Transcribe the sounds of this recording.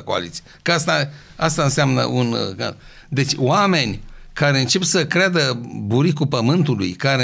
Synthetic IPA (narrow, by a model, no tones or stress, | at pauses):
koa̰lit̪siekast̪a | ast̪aɨnseamnə̰ʔunka̰ | d̪e̞t͡ʃʲwame̞nʲkaɾe̞ɨnt͡ʃe̞psəkɾead̪əbuɾikupəmɨnt̪ulṵjkaɾe